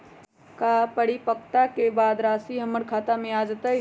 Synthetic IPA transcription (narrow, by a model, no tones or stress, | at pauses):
kapəɽipək̚ʰt̪akebaːd̪ɾaːsiɦəməɾkʰaːt̪amẽaːd͡ʒət̪ə